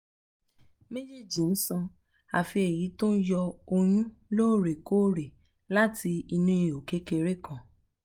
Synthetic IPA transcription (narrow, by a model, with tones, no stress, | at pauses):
me˦d͡ʒe˦˨d͡ʒi˨n̩˦sã˧ | a̰˨fi˧e˨ji˨˦to˦n̩˦jɔ˧o˧jũ˦ | lo˦˨ɾe˨ko˦ɾe˨ | la˦ti˧i˧nũ˦ĩ˧˨o˨ke˦ke˧ɾe˦kã˨